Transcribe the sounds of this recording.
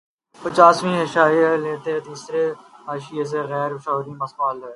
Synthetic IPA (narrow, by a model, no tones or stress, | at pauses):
pət͡ʃaːsʋĩːɦɪʃaːjaleːt̪et̪iːsɾeaːʃɪjes̬eɣɛːɾʃaːʋɾĩːmɐsbaːleː